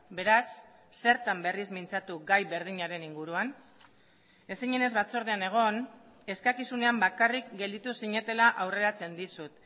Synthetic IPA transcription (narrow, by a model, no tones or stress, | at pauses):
be̞ɾasː | e̞ɾt̪ambe̞rizmint͡sat̪uɡajβe̞ɾðiɲaɾe̞niŋɡuɾuan | e̞siɲe̞ne̞zβat͡so̞ɾð̞eane̞ɣ̞o̞n | e̞skakisune̞ambakarikɡe̞ld̪it̪usiɲe̞t̪e̞laʔawre̞ɾat͡se̞nd̪isut̪